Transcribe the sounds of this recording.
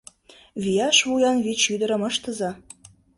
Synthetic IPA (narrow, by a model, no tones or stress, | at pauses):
βijɑʃβujɑnβiʃyd̪əɾə̆məʃt̪əzɑ